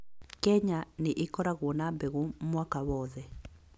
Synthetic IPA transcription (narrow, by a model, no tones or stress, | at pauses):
kɛɲanɪʔɪkɔɾaɣwonabɛɣumwakaβɔðɛ